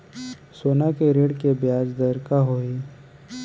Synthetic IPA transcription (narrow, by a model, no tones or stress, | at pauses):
soːnakeɾeːɽkebjaːd͡ʒd̪əɾkaɦoiː